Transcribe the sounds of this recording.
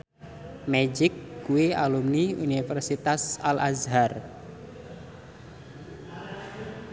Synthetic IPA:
mɛd͡ʒɪkːuealumniṵnifɛrsit̪asalazɦar

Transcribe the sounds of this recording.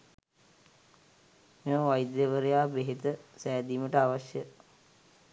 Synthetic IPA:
meməʋajd̪jəʋəɾejaːbeɦet̪əsæːd̪iːməʈəaʋaʃjə

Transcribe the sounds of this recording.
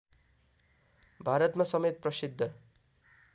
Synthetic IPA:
bʱaɾʌt̪masʌmet̪̚prʌsid̪ʱːʌ

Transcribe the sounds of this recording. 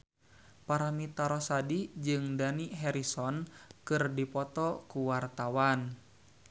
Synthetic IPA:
paɾamit̪aɾɔsadid͡ʒɨŋdaniɦɛɾisɔnkɨrdipɔt̪ɔkuwart̪awan

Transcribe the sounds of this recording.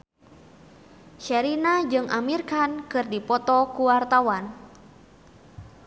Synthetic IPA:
ʃɛɾinad͡ʒɨŋʔa̰mirkankɨrdipɔt̪ɔkuwart̪awan

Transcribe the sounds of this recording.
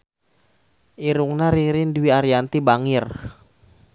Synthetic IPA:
ʔiɾuŋnaɾiɾinduwiaɾjant̪ibaŋɪr

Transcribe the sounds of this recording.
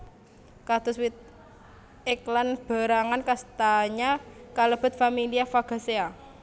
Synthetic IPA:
kad̪̥ʊswit̪̚ | ɛklanb̥a̤ɾaŋankast̪aɲakaləb̥ə̤t̪̚familiafaɡ̥a̤sea

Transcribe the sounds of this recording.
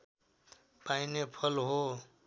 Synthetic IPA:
painepʰʌlɦo

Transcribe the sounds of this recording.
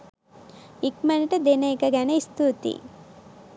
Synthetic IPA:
ikmɐniʈɐd̪enɐikɐɡɐnɐist̪ut̪ḭ

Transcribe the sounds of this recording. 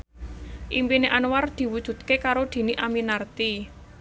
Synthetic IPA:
ʔimpineʔanward̪̥i̤wud̥ʒ̥ṳt̪̚kekaɾod̪̥i̤niʔaminart̪i

